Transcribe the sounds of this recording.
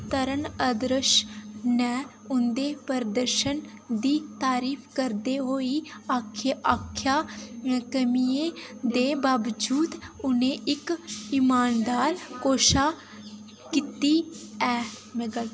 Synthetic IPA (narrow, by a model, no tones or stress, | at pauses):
t̪əɾənəd̪ɾəʃnɛː | ʊnd̪eːpəɾd̪əɾʃənd̪iːt̪aːɾiːpʰkəɾd̪eːɦoːiːaːkʰːeʔaːkʰːjaːkəmiːeːd̪eːbaːʋd͡ʒuːd̪ʊnẽːʔɪkɪmaːnd̪aːɾkoːʃaː | kit̪iːɛːməɡəl